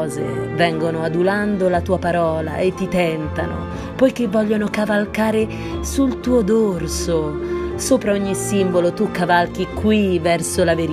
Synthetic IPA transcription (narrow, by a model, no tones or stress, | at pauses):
zḛvɛŋɡonoad̪uland̪olat̪uːapaɾɔːla̰et̪ːit̪ɛnt̪ano̰ | pɔjkevːɔʎːonokavalkaːɾe | sult̪uːod̪orsosoːpɾaoɲːisimbolot̪ukːavalk̟ikwivɛrsolaveɾ